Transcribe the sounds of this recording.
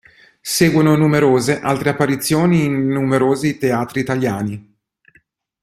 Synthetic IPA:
seːɡwononumeɾoːzeʔalt̪ɾeapːaɾit̪sːjoːniːnːumeɾoːzit̪eaːt̪ɾiːt̪aljaːni

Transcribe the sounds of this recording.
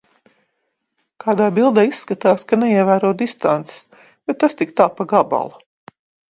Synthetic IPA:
kaːd̪aːbilˠd̪aisːkat̪aːskanɛjiɛvæːɾɔd̪ist̪ant̪se̥s | b̥ɛt̪ːast̪ikt̪aːpaɡaba̰lˠa

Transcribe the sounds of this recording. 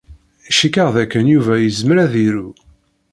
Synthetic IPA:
ʃikəʁðækːənjuvæjəzmɾæðiɾu

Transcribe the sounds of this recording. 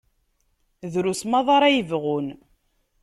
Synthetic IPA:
ðɾusmɑðˤɑɾˤæjəvʁun

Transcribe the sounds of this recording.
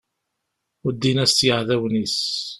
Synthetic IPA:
əd̪ːinæst̪jəʕðæwnis

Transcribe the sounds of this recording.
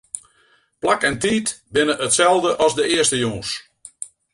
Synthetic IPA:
plakɛntiːtbɪnəʔətsɛlˠvdəʔɑzdəɪəstəjoːs

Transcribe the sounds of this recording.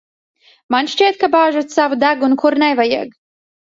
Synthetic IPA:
manʃt͡ʃiɛt̪̚kabaːʒut̪savud̪aɡunkuɾnɛjvajiɛɡ

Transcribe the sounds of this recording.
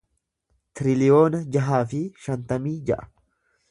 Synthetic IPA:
t̪ɪɾɪlɪjo̞ːnɐd͡ʒɐɦaːfɪʃɐnt̪ɐmiːd͡ʒɐʔɐ̥

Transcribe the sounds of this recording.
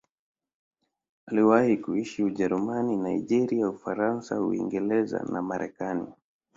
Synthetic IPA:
aliwahikuiʃiuʄɛɾumaninaiʄɛɾiaufaɾansahṵḭŋɡɛlɛza̰namaɾʔɛkanḭ

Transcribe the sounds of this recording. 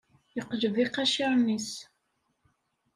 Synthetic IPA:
jəqːʒviqæʃaɾˤnis

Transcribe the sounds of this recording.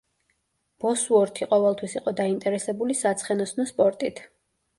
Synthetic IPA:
b̥ɔsuɔɾt̪ʰiqʼɔvɛlˠt̪ʰwisiqʼɔd̪aint̪ʼɛɾɛsɛbulisat̪sʰχɛnɔsnɔspʼɔɾt̪ʼit̪ʰ

